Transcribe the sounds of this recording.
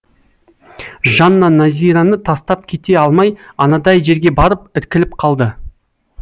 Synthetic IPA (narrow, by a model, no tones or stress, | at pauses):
ʒɑnːɑnɑzʲijɾanət̪ʰɑst̪ɑp̚kʲʰe̞t̪e̞ɑlˠmɑjɑnɑd̪ɑjʒe̞ɾɡʲe̞bɑɾəpɪɾkʲɪlɪpqʰɑlˠd̪ə